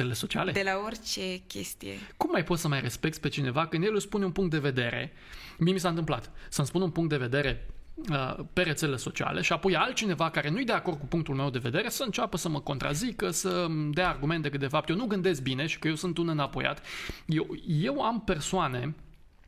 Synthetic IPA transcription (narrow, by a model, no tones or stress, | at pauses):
eleleso̞t͡ʃia̰led̪elaort͡ʃekʲḛst̪ijḛkumːajpo̞t̪səmajre̞spe̞k̚t̪spe̞t͡ʃine̞vakɨnd̪jelulspununpuŋkt̪d̪e̞ve̞d̪e̞ɾe̞̰ | miemis̬ant̪ɨmplat̪səmspununpuŋkt̪d̪e̞ve̞d̪e̞ɾe̞əpe̞ɾe̞t̪seleleso̞t͡ʃia̰lʔe̞ʃiapo̞jalt̪̚t͡ʃine̞vakaɾe̞nujejd̪eako̞rd̪̚kupuŋk̚t̪ulme̞wd̪e̞ve̞d̪e̞ɾe̞səɨnt͡ʃapəsəməko̞nt̪ɾa̰zikəsəd̪eaːrɡume̞nt̪ekɨt̪d̪e̞fap̚t̪jewnuɡɨnd̪e̞sk̚bine̞ʃi̥kəje̞wsɨnt̪unɨnapo̞̰ja̰t̪jewje̞wampe̞rsoane̞